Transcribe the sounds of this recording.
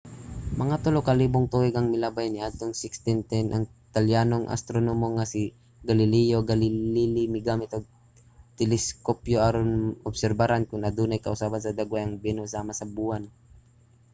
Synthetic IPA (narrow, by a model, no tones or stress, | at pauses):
mɐŋat̪ʊlokɐliːboŋt̪uwɪɡɐŋmɪlabajnɪʔad̪̚t̪oŋsɪkst̪ɪnt̪ɛnʔɐŋt̪aljaːnoŋʔɐ̰st̪ɾonomoŋasi | ɡalɪlɛjoɡallilɪmɪɡamɪt̪oɡ̚ | t̪ɛlɛskopjoʔaɾonʔobsɛɾbaɾankʊnʔɐd̪uːnajkɐʔʊsaːbansɐd̪aɡwajɐŋbɛnosaːmɐsɐbuːan